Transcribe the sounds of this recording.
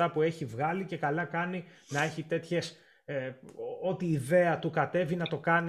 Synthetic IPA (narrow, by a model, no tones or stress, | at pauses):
ɐpue̞çivɣɐlice̞kɐlɐkɐninɐe̞çit̪e̞t̪çe̞s | o̞t̪iːðe̞ɐt̪ukɐt̪e̞vinɐt̪o̞kɐn